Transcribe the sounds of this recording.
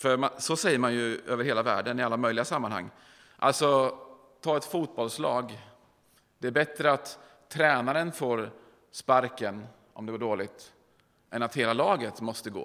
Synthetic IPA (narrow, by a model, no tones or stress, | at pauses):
fœɾmansɔsɛjːəɾmanjɵʔøːvəɾheːlavæ̰ːɖənɪalːamœjlɪɡasamːanha̰ŋː | ʔa̰lt̪sɔ | t̪ʰɑːɛt̪fuːt̪̚bɔlslɑ̰ːɡ | d̪ɛæɾbɛt̪ɾəat̪ʰː | ɾɛːnaɾənfoːɾ | spaɾkən | ʔɔ̰md̪ɛɡʊɖoːlɪɡt̪ | ʔɛnat̪heːlalɑːɡət̪mɔst̪əɡo̰ː